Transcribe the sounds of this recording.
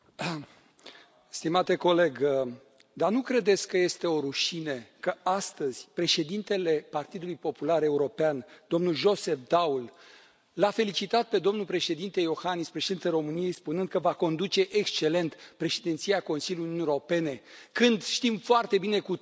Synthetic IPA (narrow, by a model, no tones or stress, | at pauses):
st̪imat̪e̞ko̞le̞ɡ | d̪anukɾe̞d̪e̞t̪sʲkəje̞st̪e̞o̞ɾuʃinekəast̪əz̥ʲpɾe̞ʃe̞d̪int̪e̞le̞part̪id̪ulujpo̞pulaɾe̞uɾo̞peand̪̥o̞mnulʒo̞se̞fd̪aul | lafe̞lit͡ʃit̪at̪̚pe̞d̪o̞mnulpɾe̞ʃe̞d̪int̪e̞jo̞xanispɾeʃe̞d̪int̪elɾo̞mɨnije̞jspunɨnd̪̚kəvako̞nd̪ut͡ʃe̞ʔekst͡ʃe̞le̞nt̪pɾe̞ʃed̪ent̪siako̞nsiljuiununijeɾo̞pe̞ne̞kɨnd̪ʃt̪imfoart̪e̞bine̞ku